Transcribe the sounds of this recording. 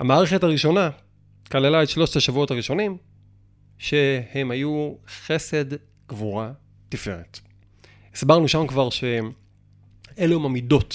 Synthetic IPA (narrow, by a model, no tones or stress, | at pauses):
hamaːʁeχetaʁiʃo̞na | kalelaetʃlo̞ʃtaʃavuo̞thaʁiʃo̞nim | ʃe̞hemhajuχe̞se̞d | ɡ̥vuʁa | tife̞ʁet | isbaʁnuʃamkvaʁʃe | eleumamido̞t